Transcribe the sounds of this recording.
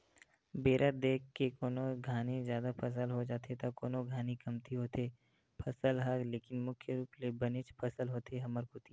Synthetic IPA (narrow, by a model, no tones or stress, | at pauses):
beːɾʔəd̪eːkːekoːnoɡʱaːnezjaːd̪apʰɐs̬əlɦod͡ʒaːt̪et̪akoːnoɡʱaːnikɐmt̪ʰiɦoːt̪eː | pʰɐsəlɦaɾleːkɪnmʊkʰjəɾuːplebɐnet͡ʃpʰɐsəlɦoːt̪eɦɐməɾkʊt̪iː